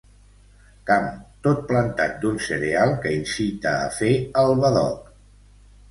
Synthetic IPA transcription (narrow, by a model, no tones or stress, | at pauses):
kamt̪ot̪̚plənt̪at̪̚d̪unsəɾealˠkəinsit̪ə̰ːfeəlˠβəðɔ̰k